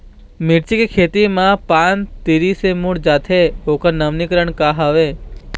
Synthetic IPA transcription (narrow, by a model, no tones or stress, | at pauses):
miʈt͡ʃikekʰet̪imãpant̪iɾisemuɽd͡ʒat̪ʰeokəɾnəʋnikəɾəɳkaɦaʋe